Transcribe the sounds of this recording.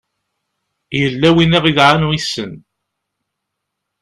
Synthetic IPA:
jəlːæwinæʁiðʕanwisːən

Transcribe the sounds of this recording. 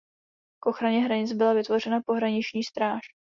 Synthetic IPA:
kʔo̞xɾaɲɛɦɾaɲɪt͡sbɪlavɪt̪vo̞rɛnapo̞ɦɾaɲɪt͡ʃɲiːst̪ɾaːʃ

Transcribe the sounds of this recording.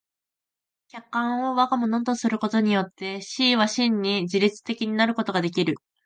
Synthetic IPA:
kʲakːãɰ̃o̞βaɡamonõnt̪o̞sɨɾɯ̟ko̞t̪o̞ɲ̟ijo̞t̪ːe̞ɕiːβaɕĩɲ̟ːid͡ʑiɾʲit͡sɨ̥t̪e̞kʲiɲ̟inaɾɯ̟ko̞t̪o̞ɡad̪e̞kʲiɾɯ̟

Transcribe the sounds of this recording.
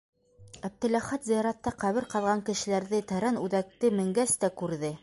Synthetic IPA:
æb̚t̪ɘ̆læχæt̪zijɑɾɑt̪ːɑqæβɘɾqɑðʁɑŋkɘ̆ʃɘ̆læɾðɘt̪æɾænʉðæk̚t̪ɘmɘ̆ŋɡæst̪ækʉɾðɘ

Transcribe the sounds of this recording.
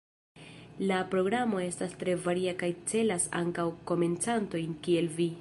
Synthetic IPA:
lapɾo̞ɡɾamo̞e̞stastɾe̞vaɾiakajt͡se̞lasa̰ŋkawko̞me̞nt͡santo̞jnkie̞lvi

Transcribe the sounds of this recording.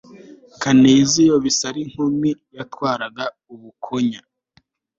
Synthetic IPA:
kaneːzijoβisaɾiŋ̥humijatwaːɾaɡa | uβukʰoɲa

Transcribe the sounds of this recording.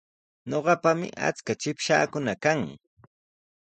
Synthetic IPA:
ɲoɢɑpamɪ̰ʔa̰t͡skat͡ʃɪpʃa̰ːkʊnakaŋ

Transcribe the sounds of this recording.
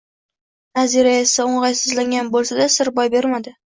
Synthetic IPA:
naziɾajesaoɴʁɑjsɪzlaŋɡʲanbolˠsad̪asɪɾbɒjbe̞ɾmad̪ɪ

